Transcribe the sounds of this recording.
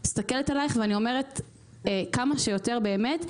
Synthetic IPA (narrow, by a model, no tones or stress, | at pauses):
ist̪akeletalajχveanio̞me̞ʁet | ekamaʃejo̞te̞ʁbe̞ːmet